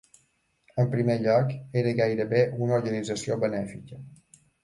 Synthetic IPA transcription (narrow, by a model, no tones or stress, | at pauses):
əmpɾimeʎɔkeɾəɣajɾəβeʔunuɾɣənid͡zəsioβənɛfikə